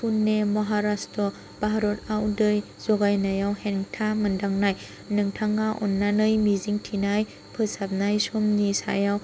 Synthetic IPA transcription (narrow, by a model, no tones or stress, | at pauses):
pʰunːemɔɦaɾastʰɔ | b̥aɦaɾɔtawdɯj | z̥ɔɡajnajawheŋtʰamɯndaŋnaj | nɯŋtʰaŋaʔɔ̰nːanɯjmiziŋtʰinaj | pʰɯsap̚najsɔmnisa̰jaw